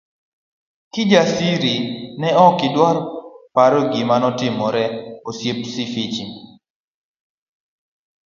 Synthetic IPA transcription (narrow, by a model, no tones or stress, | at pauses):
kɪd͡ʒasiɾinɛɔkɪdwarpaɾɔɡɪmanɔtɪmɔɾɛosjep̚sifit͡ʃi